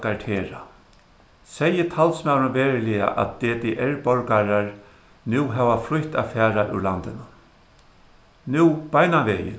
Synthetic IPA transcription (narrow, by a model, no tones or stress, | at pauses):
kaʈʰeːɾa | sɛjːɪt̪ʰalsmawɾɪnveːɾɪlɪja̰ʔa̰t̪̚d̪̥eːt̪eʔɛɹpɔɹkaɾaɹ | nuːɦɛʋaflʊht̪a̰fæːɾaʔṵɹlant̪ɪnʊ | nuwpajnanʋeːjɪ̰